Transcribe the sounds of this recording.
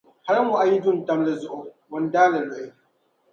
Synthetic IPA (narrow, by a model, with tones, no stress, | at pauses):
ha˦ɾa˦mʊ˨ʔa˨ji˦dʊ˦˨n˨ta˦mla˦zʊ˦ʔo˦˨ | wɔ˨n˦daː˦la˨la˨i˦